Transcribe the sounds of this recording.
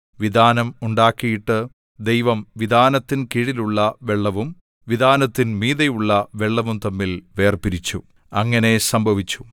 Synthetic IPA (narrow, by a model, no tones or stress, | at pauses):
ʋid̪ʱaːnɐmuɳɖaːkːijiʈːɨ | d̪ejʋɐmʋid̪ʱaːnɐt̪ːinkiɻiluɭːɐʋe̞ɭːɐʋum | ʋid̪ʱaːnɐt̪ːinmiːðɐjuɭːɐʋe̞ɭːɐʋumt̪ɐmːilʋe̞ːrpiɾit͡ɕːu | ɐŋːɐne̞sɐmbʱɐʋit͡ɕːu̥